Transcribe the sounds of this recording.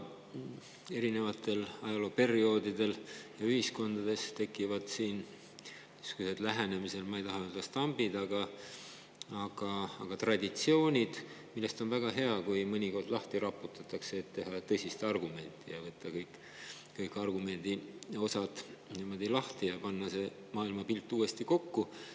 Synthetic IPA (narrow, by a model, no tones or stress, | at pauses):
e̞ɾine̞vɑt̪ːˑe̞lɑjɑlo̞pe̞rio̞ːd̪id̪̥e̞ljɑyhisko̞nd̪ɑd̪̥e̞st̪e̞kːˑivɑd̪̥siːn | yskused̪læɦene̞mise̞lmɑejt̪ɑɦɑøld̪ɑst̪ɑmb̥id̪ɑɡ̥ɑ | ɑɡ̥ɑːɡ̥ɑt̪rɑd̪it̪sio̞ːnʲid̪̥ | milːe̞st̪o̞nvæɡ̥ɑɦe̞ɑkujmɤnʲiko̞rd̪lɑht̪iɾɑpːˑut̪ːˑɑt̪ːˑɑkseːt̪ːe̞ɦɑt̪ɤsʲist̪ɑrɡume̞nʲt̪ːˑijɑvɤt̪ːɑkɤjkːˑ | kɤjkːɑrɡume̞nʲd̪̥io̞sɑt̪niːmo̞d̪̥ilɑht̪ijɑpɑnːɑse̞ | mɑːilmɑpilt̪ːˑuːe̞st̪iko̞kːu